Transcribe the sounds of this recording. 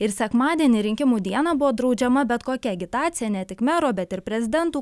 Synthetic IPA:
ɪɾsʲɛkmɑːd̪ʲiɛnʲiːɾʲɪŋʲkʲɪmuːd̪ʲiɛnɑbʊʋoːd̪ɾɒʊd͡ʒʲɛmɐbʲɛt̪koːkʲɛɡʲɪt̪ɑːt̪sʲɪjɛnʲɛt̪ʲɪkmʲɛɾoːbʲɛt̪ɪɾpʲɾʲɛzʲɪd̪ʲɛnt̪uː

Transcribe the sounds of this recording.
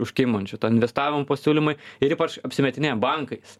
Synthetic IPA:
ʊʃʲkʲɪmonʲt͡ʃʲʊt̪oːnɪnʲʋʲɛst̪ɑːʋʲɪmʊpɐsʲuːlʲɪmʊɪɪɾiːpɐt͡ʃɐpʲsʲɪmʲɛt̪ʲɪnʲeːbɐŋkɐɪs

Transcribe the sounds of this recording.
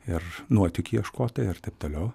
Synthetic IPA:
ɪrnuɔt̪ʲʊkʲiɛʃkoːt̪ɐɪɪrt̪ɐɪp̚t̪oːlʲɛʊ

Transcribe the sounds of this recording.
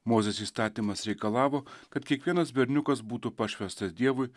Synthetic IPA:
moːzʲɛsiːst̪ɑːt̪ʲiːmɐsɾʲɛɪkɐlˠɑːʋoːkɐt̪kʲiɛkʋʲiɛnɐsbʲɛɾʲnʲʊkɐs̬buːt̪upɐʃʲʋʲɛst̪ɐsd̪ʲiɛʋʊɪ

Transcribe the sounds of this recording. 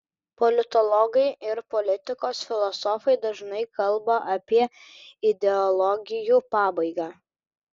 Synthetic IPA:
pɔlʲɪt̪ɔlˠɔɡɐɪɪɾpɔlʲɪt̪ʲɪkoːsfʲɪlˠɔsɔfɐɪd̪ɐʒnɐɪkɐlˠbɐʔɐpʲiɛ | ɪd̪ʲɛɔlˠɔɡʲɪjuːpɑːbɐɪɡaː

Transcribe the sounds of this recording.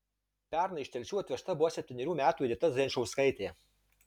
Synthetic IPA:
pʲæˑɾnɐɪʃʲt̪ʲɛlʲt͡ʃʲuːɐt̪ʲʋʲɛʃt̪ɐbʊʋɔsʲɛpʲt̪ʲɪnʲɛɾʲuːmʲæːt̪uːɛd̪ʲɪt̪ɐsɡʲɛnʲʃɔʊskɐɪt̪ʲeː

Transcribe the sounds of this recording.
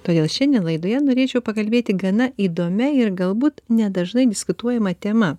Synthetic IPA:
t̪oːd̪ʲeːlˠʃʲɛnʲdʲeːnlˠɐɪd̪oːjɛnoːɾʲeːt͡ʃʲɛʊpɐkɐlʲbʲeːt̪ʲɪɡɐnɐiːd̪oːmʲɛɪɾɡɐlˠbuːt̪nʲɛd̪ɐʒnɐɪd̪ʲɪskʊt̪uɔjɛmɐt̪ʲɛmɐ

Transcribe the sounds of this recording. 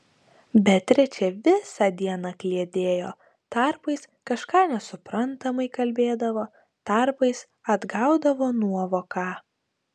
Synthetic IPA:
bʲɛt̪ʲɾʲɛt͡ʃʲɛʋʲɪsɑd̪ʲiɛnɑklʲiɛd̪ʲeːjo̰ː | t̪ɑɾpɐɪs | kɐʃkɑːnʲɛsʊpɾɐnt̪ɐmɐɪkɐlʲbʲeːd̪ɐʋoː | t̪ɐɾpɐɪs | ɐd̪ɡɑʊd̪ɐʋoːnuɔʋoːkɑː

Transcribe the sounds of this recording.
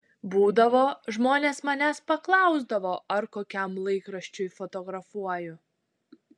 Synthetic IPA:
buːd̪ɐʋoːʒmoːnʲeːsmɐnʲæspɐklˠɑˑʊzd̪ɐʋoːʔɐɾkoːkʲɛmlˠɐɪkɾɐʃʲt͡ʃʲʊjfɔt̪ɔːɡɾɐfuɔjʊ

